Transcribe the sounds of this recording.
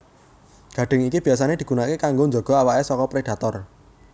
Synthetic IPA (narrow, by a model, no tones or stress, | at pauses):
ɡ̥ä̤ɖ̥ɪ̤ŋikib̥i̤as̬aned̪̥i̤ɡ̥ṳnakekaŋɡoɲd͡ʒɔɡ̥ɔ̤awaʔesɔkɔpɾed̥a̤t̪ɔr